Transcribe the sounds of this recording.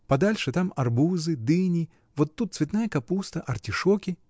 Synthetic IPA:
pɐd̪alʲʂɨt̪amɐrbuzɨd̪ɨnʲɪ | vot̪ːut̪svʲɪt̪najəkɐpust̪əʔɐrtʲɪʂokʲɪ

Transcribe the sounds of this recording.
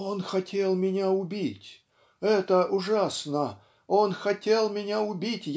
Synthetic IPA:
onxɐtʲe̞lˠmʲɪnʲaʊbʲitʲ | ɛt̪əʔʊʐasnə | o̞nxɐtʲe̞lˠmʲɪnʲaʊbʲitʲj

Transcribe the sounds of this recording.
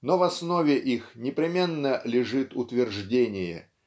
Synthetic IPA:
novɐsnovʲɪʔixnʲɪpɾʲɪmʲe̞nːəlʲɪʐɨt̪ʊt̪vʲɪrʐdʲenʲɪjə̰

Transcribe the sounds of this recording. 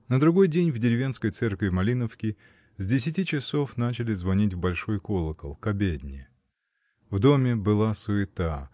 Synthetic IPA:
nəd̪ɾʊɡo̞jdʲenʲvdʲɪɾʲɪvʲe̞nskəjt̪sɛrkvʲɪmɐlʲinəfskʲɪ | zʲdʲɪsʲɪtʲit͡ɕɪso̞fnat͡ɕɪlʲɪzvɐnʲitʲvbɐlʲʂo̞jkolˠəkəlˠkɐbʲedʲnʲɪ | vd̪o̞mʲɪbɨlˠasʊɪt̪a

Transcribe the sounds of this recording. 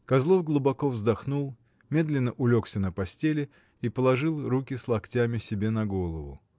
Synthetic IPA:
kɐzlˠo̞fɡlˠʊbɐko̞vzd̪ɐxnulˠ | mʲe̞d̪lʲɪnːəʔʊlʲo̞ksʲənəpɐsʲtʲelʲɪ | ipəlˠɐʐɨlˠrukʲɪslˠɐktʲamʲɪsʲɪbʲe̞nɐɡo̞lˠəvʊ̰

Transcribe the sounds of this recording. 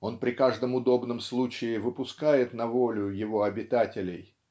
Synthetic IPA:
o̞npɾʲɪkaʐd̪əmʊd̪o̞bnəmslˠut͡ɕɪɪvɨpʊskajɪt̪nɐvo̞lʲʊjɪvo̞ɐbʲɪt̪atʲɪlʲɪj

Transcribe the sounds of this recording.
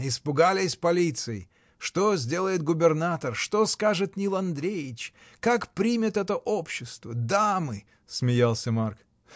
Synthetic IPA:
ɪspʊɡalʲɪsʲpɐlʲit̪sɨɪ̰ | ʂt̪ozʲdʲe̞lˠəjɪt̪̚ɡʊbʲɪrnat̪ərʂt̪oskaʐɨt̪nʲilˠɐnd̪ɾʲejɪt͡ɕ | kakpɾʲimʲɪt̪ɛt̪əʔopɕːɪst̪vəd̪amɨ | smʲɪjalˠsʲəmark

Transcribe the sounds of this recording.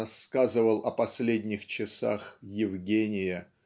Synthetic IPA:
ɐskazɨvəlˠʔɐpɐsʲlʲedʲnʲɪxt͡ɕɪsa̰xjɪvɡʲenʲɪjə

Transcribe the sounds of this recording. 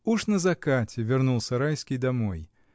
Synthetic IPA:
uʂnəzɐkatʲɪvʲɪrnulˠsʲɐɾajskʲijd̪ɐmoj

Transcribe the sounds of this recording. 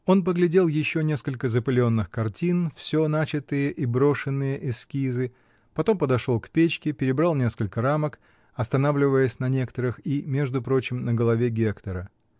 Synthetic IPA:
o̞np̬əɡlʲɪdʲe̞lˠjɪɕːo̞nʲe̞skəlʲkəzəpəlʲɪo̞nːɨxkɐrtʲinfsʲo̞nat͡ɕɪt̪ɨjəʔibɾo̞ʂɨnːɨjəʔɪsːkʲizɨ | pɐt̪o̞mpəd̪ɐʂolˠkpʲet͡ɕkʲɪpʲɪɾʲɪbɾalˠnʲe̞skəlʲkəɾamək | ɐst̪ɐnavlʲɪvəjəsʲnɐnʲe̞kə̥t̪əɾɨximʲe̞ʐd̪ʊpɾo̞t͡ɕɪmnəɡəlˠɐvʲeɡʲekt̪əɾə

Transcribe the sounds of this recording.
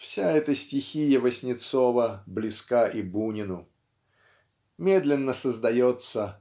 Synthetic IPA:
fsʲaɛt̪əsʲtʲɪxʲijəvəsʲnʲɪt̪sovəblʲɪskaʔibunʲɪnʊ | mʲe̞d̪lʲɪnːəsəzd̪ɐjot̪sə

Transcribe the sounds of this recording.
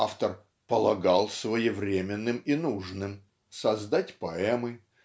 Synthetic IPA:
aft̪ər | pəlˠɐɡalˠsvəjɪvɾʲemʲɪnːɨminuʐnɨm | sɐzd̪atʲpɐɛmɨ

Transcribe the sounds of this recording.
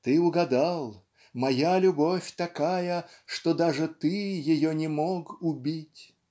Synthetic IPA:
t̪ɨʊɡɐd̪alˠ | mɐjalʲʊbofʲt̪ɐkajə | ʂt̪ɔd̪aʐɨt̪ɨjɪjonʲɪmokʊbʲitʲ

